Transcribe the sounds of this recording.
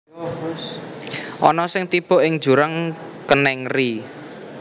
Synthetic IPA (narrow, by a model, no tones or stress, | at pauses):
ʔɔ̰nɔsɪŋt̪ib̥ɔ̤ʔɪŋ̥d͡ʒ̥ṳɾaŋkənɛŋri